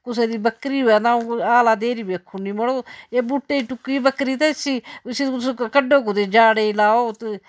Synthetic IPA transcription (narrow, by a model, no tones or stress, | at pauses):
kʊs̬eːd̪iːbəkɾiːɦɛːnãːaːlaːd̪eːɾiːbekʰʊniːməɽoːeːbʊʈːeːiʈʊkːiːbəkɾiːt̪esiːsiʊskəɖoːkot̪eːd͡ʒaːɽeːlaːoːt̪